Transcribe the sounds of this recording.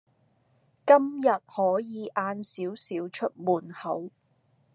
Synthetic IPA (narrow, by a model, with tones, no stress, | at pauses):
kɐ˥mjɐ˨t̚hɔː˨˥jiː˨˧ʔaː˧nsiː˨˥wsiː˨˥wt͡ʃʰɵ˥t̚muː˨˩nhɐ˨˥w